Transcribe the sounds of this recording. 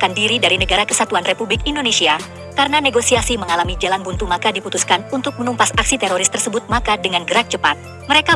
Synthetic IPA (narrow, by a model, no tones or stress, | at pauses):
kandiɾidaɾinəɡaɾakəsat̪uanrepublɪkindonesia | kaɾənaneɡosiasiməŋalamid͡ʒalanbunt̪umakadiput̪uskanunt̪ʊk̚mənumpasak̚sit̪eɾoɾɪst̪ərsəbʊt̪̚makadəŋanɡəɾak̚t͡ʃəpat̪̚ | məɾeka